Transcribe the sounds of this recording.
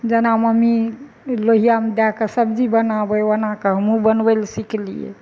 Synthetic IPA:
d͡ʒənaməmi | loɦijamed̪akəsəbd͡ʒibənabəənakəɦəmubənbelsiklḭjḛ

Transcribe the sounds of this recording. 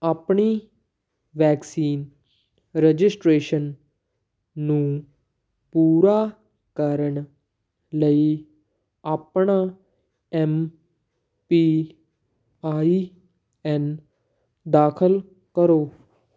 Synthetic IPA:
apɳi | ʋɛːksiːn | ɾəd͡ʒɪsʈɾeːʃən | ũ | puːɾa | kaɾəɳ | ləi | apɳa | ɛm | pi | aːi | ɛ̃n | d̪aːkʰəl | kəɾoː

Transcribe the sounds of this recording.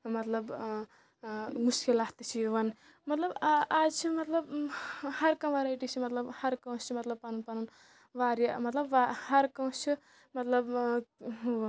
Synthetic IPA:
mɐt̪lɐb | muʃkilaːht̪it͡ʃʰiʋɐn | mɐt̪lɐbaːd͡ʒt͡ʃʰimɐt̪lɐbhɐɾkɐ̃w̃ʋaɾajʈit͡ʃʰimɐt̪lɐbhɐɾkɐ̃wt͡ʃʰimɐt̪lɐb̚panunpanun | ʋaːɾjɐmɐt̪lɐbʋahɐɾkɐ̃w̃t͡ʃʰi | mɐt̪lɐb

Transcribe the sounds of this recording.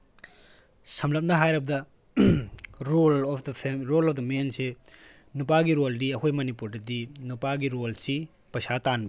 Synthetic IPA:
sɐmlɐp̚nɐɦajɾɐbɐdɐ | ɾolɔpʰdɐpʰeɾolɔpʰd̪ɐmense | nupaɡiɾoldiɐkʰojmɐnipuɾdɐdinupaɡiɾolsi | pɐsatanbi

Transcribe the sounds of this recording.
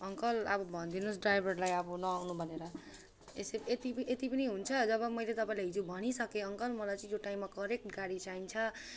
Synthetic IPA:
ʌŋkʌlʌbʌbʱʌnd̪inusɖrajbʱʌrlajʌbʌnʌawnubʱʌneɾʌ | eseet̪ipet̪ipʌniɦunt͡sʰʌd͡zʌβʌmʌjlet̪ʌpaĩlajɦid͡zobʱʌɽ̃isʌkeʌŋkʌlmʌlajt͡sʌ̃ĩjoʈaimːakʌɾek̚ʈɡaɽit͡saint͡sʰʌ

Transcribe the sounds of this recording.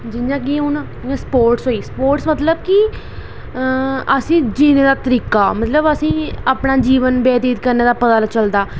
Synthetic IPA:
d͡ʒɪnjãːk̬ɪẽũːnaː | ẽspoːɾʈsɦoːiːsəpoːɾʈsmət̪ləbki | əsĩːd͡ʒiːneːd̪aːt̪əɾiːkaːmət̪ləbəsĩːapnaːd͡ʒiːʋənbɛːt̪iːd̪kəɾneːd̪aːpəd̪aːlat͡ʃəld̪aː

